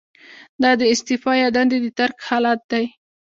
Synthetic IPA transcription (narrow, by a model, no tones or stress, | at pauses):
d̪ɑd̪əɪst̪ɪfɑjɑd̪and̪ed̪ət̪aɾkhɑlat̪̚d̪aj